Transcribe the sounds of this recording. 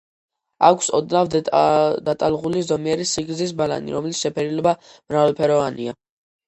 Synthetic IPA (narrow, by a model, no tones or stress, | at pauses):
akʷʰsɔd̪nav | d̪at̪ʼalˠʁulizɔmiɛɾisiɡɾzis̬bala̰nḭɾɔmɛlit̪sʃɛpʰɛɾilɔbamɾavalˠpʰɛɾɔvanḭa